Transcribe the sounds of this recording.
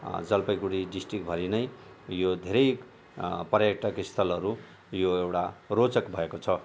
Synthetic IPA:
d͡zʌlpʌjɡuɽiɖisʈrikbʱʌɾinʌj | jod̪ʱeɾʌj | prʌjʌk̚ʈʌkist̪ʰʌlʌɾu | joewʈarot͡sʌkbʱʌekot͡sʰʌ

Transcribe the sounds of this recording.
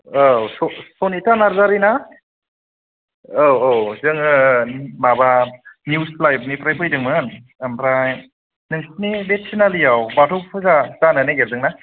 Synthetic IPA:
asosonitanaɾzaɾina | oowzɯŋɯmabanjusplajb̚nipɾajpɯjdɯŋmɯn | ampɾaj | nɯŋst̚nibet̚sinalijawbatʰɔwpʰɯzazanɯneɡep̚dɯŋna

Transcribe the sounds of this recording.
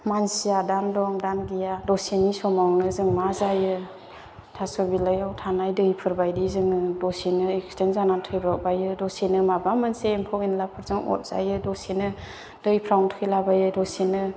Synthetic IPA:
mansijadandɔŋdanɡijadɔsinisɔmawnɯzɯŋmazajɯ | tʰasɔbilajawtʰanajdɯjpʰɯɾbajdizɯŋɯdɔsinɯekstenzanatʰɯjbak̚bajɯdɔsinɯmabamɯnseːmpʰɔkinlapʰɯɾzɯŋɔ̰t̚z̥a̰jɯdɔsinɯ | d̥ɯjpʰɾawntʰɔkilabajɯdɔsinɯ

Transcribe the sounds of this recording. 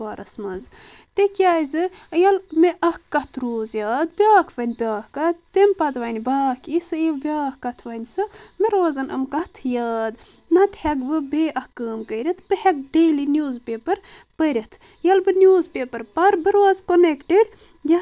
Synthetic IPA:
ʋaːɾɐsmɐnzt̪ekʲjaːjzɨjɐlmeʔɐhkːɐt̪ʰɾoːzjaːd̪̚bʲjaːkʰʋɐnʲbʲaːhkɐt̪ːempɐt̪ʋɐnʲbaːkʰisɨibʲaːhkɐt̪ʰʋɐnʲsɨmeɾoːzɐnʔɐ̰mkɐht̪ʰjɐːd̪ | nɐt̪ʰhɛɡbɨbeːʔɐhkːəːmkəiɾʲɐt̪ʰbɨhɛɡ̚ɖeːlinʲjuːzpeːpɐɾpəɾʲɐt̪ʰ | jɐlbɨnjuːzpʲeːpɐɾpɐɾbɨɾʋaːzkonekʈiɖ | jɐ

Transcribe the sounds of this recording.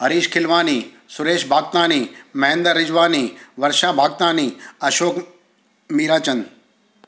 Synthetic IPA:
ɐɾiːʃkʰɪlʋaːniː | sʊɾeːʃbʱaːɡ̚t̪aːniːmɐɦẽnd̪əɾːɪd͡ʒʋaːniːʋɐɾʃãːbʱaːɡ̚t̪aːniːɐʃoːk | miːɾaːt͡ʃɐnd̪

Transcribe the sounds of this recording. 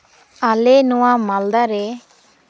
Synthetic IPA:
alɛnɔwamald̪aɾɛ

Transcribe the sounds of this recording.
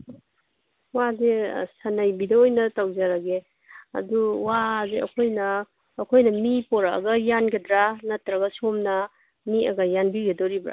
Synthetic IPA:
wadesɐnajbidɐojnɐtawzaɾaɡe | ɐ̰duwazeʔɐ̰kʰojnɐː | kʰojnɐmipɔɾa̰ːɡɐjanɡɐdɾanɐtɾɐɡɐsomnɐ | miɐ̰ɡɐjanbiɡedɔɾibɾa̰

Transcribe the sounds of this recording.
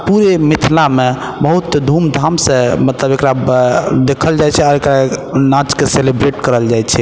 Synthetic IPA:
puɾemit̪ʰlame | bəɦut̪ːd̪ʱumd̪ʱamsẽmət̪ləbekɾad̪ekʰəld͡ʒajt͡ʃʰɛaɾekɾanat͡ʃkeselebɾeʈkəɾəld͡ʒajt͡ʃʰɛ

